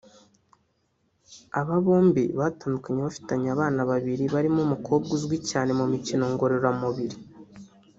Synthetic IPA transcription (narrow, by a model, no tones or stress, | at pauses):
aβaβo̞ːmbḭβataːndukaɲeβafi̥taɲaːβaːnaβaβiɾiβaɾimumukʰo̞ːbɡuzwicaːne̞mumicino̞ŋɡo̞ɾo̞ɾamuβiɾi